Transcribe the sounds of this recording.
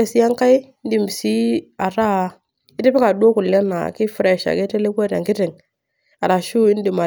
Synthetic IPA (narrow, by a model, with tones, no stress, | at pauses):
e˨si˦ja˦ŋka˦jn˦di˨m˨si˦a˨ɾa˦ | ɪ˦tɪ˦pɪ˦ka˨du˦o˦ku˨lːɛ˦na̰˨kɪ˦fɾɛ˨ʃa̰˨ke˦te˦le˦ka˦ɾa̰˨ŋkɪ˦tɪ˨ŋ | a˨ɾa˨ʃu˦ɪ˦n˦di˨ma˨